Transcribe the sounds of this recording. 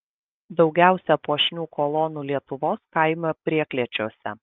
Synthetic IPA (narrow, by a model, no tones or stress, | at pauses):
d̪ɒʊɡʲæˑʊsʲɛpuɔʃʲnʲuːkʰɔlˠɔːnuːlʲiɛt̪ʊʋoːskɑˑɪmʲopʲɾʲiɛklʲiɛt͡ʃʲoːsʲɛ̰